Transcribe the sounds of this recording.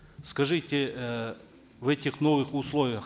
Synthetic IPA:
skɐʐɨtʲɪ | vɛtʲɪxnovɨxʊslˠovʲɪjəx

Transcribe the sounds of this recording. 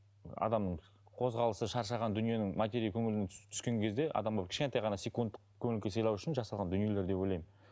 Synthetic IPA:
ɑ̰d̪ɑmnəɴ | qʰo̞zʁɑlˠəsəʃɑɾʃɑʁɑnd̪ʏnije̞nɪŋmat̪ʲeɾʲijkʲʰɵŋɪlɪnet̪ʰʏ̥skʲe̞ŋkʲʰe̞zd̪e̞ʔɑ̰d̪ɑmbɑp̚kʲʰɪ̥ʃkʲent̪ɑjʁɑnɑsʲe̞kund̪əqkʰɵmɪlkʲesɑjlˠɑwʏʃɪnʒɑsɑlˠʁɑnd̪ʏnije̞le̞ɾd̪e̞po̞jlˠɑjm

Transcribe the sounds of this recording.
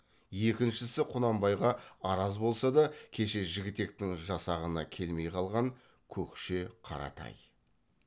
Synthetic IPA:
je̞kʲɪnʃɪsɪqʰʊnɑmbɑjʁɑɑɾɑzbo̞lˠsɑd̪ɑkʲʰe̞ʃe̞ʒɪɡʲɪt̪e̞k̚t̪ɪŋʒɑsɑʁənɑkʲʰe̞lme̞jqʰɑlˠʁɑŋ | kʲʰɵkʃeqʰɑ̰ɾɑ̰t̪ʰɑ̰j

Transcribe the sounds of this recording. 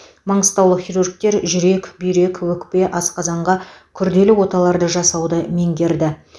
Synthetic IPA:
mɑɴəst̪ɑwlˠəχirurɡ̚t̪e̞ɾʒʏɾe̞kbʏjɾe̞kwɵkpe̞ʔɑsqɑzɑɴʁɑkʲʰʏɾd̪e̞lɪwo̞t̪ɑlˠɑɾd̪əʒɑsɑwd̪əme̞ŋɡʲe̞ɾd̪ɪ

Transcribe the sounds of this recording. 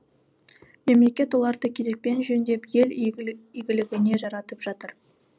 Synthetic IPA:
me̞mle̞kʲe̞t̪wo̞lˠɑɾd̪əkʲʰeɾe̞k̚pe̞nʒɵnd̪e̞pje̞liɡʲɪlɪɡʲɪne̞ʒɑɾɑt̪əpʒ̥ɑt̪əɾ

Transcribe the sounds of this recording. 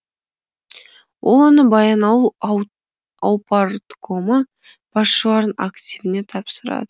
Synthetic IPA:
wʔo̞lˠwo̞nəbɑjɑnɑlˠu | ɑwpɑɾt̪kʰomə | b̥ɑsʃəlˠɑɾəna̰kt̪ʲivɪne̞t̪ʰɑpsəɾɑ̰d̪ə

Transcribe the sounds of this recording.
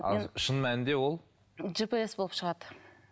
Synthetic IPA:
ɑ̰ʃənmænɪd̪e̞wo̞lˠ | ʒipiesbo̞lˠəpʃəʁɑd̪ə

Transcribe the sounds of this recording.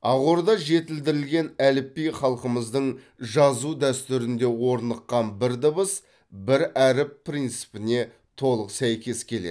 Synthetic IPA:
ɑʁoɾd̪ɑʒe̞t̪ɪld̪ɪɾɪlɡʲe̞nælɪpːijχɑlˠqəməzd̪əɴ | ʒɑzud̪æst̪ʏɾɪnd̪e̞wo̞ɾnəqːɑnbɪɾd̪əbəs | bɪɾæɾɪpːʰrijnt̪sɨ̥pɪne̞ | t̪ʰo̞lˠəqsæjkʲe̞skʲʰe̞lḛd̪

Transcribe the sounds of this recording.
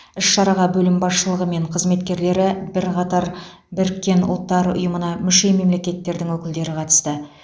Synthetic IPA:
ɪʃʃɑɾɑʁɑbɵlɪmbɑsʃəlˠəʁəme̞ɴqʰəzme̞t̪kʲe̞ɾle̞ɾɪbɪɾqʰɑt̪ɑɾ | bɪɾkʲːe̞nʊ̰lˠt̪ːɑɾʊ̰jəmənɑmʏʃe̞jme̞mle̞kʲe̞t̪ːe̞ɾd̪ɪŋwɵkʲɪld̪e̞ɾɪqʰɑt̪ə̥st̪ə

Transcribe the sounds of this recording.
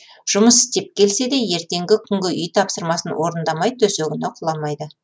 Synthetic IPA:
ʒ̥ʊməsɪ̥st̪e̞p̚kʲʰe̞lse̞d̪e̞je̞ɾt̪e̞ŋɡʲɪkʲʰʏŋɡʲɪʔʏjt̪ʰɑpsəɾmɑsənwʔo̞ɾənd̪ɑmɑjd̪ət̪ʰɵseɡʲɪneqʰʊlˠɑmɑjd̪ə

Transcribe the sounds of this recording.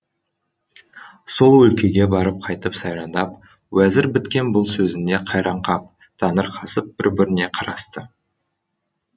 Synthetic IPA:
so̞lˠwɵlkʲe̞ɡʲe̞bɑɾəp̚qʰɑjt̪əpsɑjɾɑnd̪ɑp̚ | wæzɪɾbɪt̪kʲe̞nbʊlˠsɵzɪnd̪e̞qʰɑjɾɑɴqɑp̚ | d̪̥ɑnəɾqʰɑsəp̚b̥ɪɾbɪɾɪne̞qʰɑɾɑst̪ə

